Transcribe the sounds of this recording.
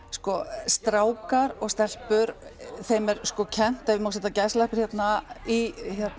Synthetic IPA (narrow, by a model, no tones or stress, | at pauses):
skɔst̪ɾaːwkaɾɔɣst̪ɛl̥pʏɾθejmɛɾskɔcʰɛn̥t̪aðvɪmaws̬ɛt̪ːacajslajhpɪɾ̥hjɛt̪naiçjɛt̪n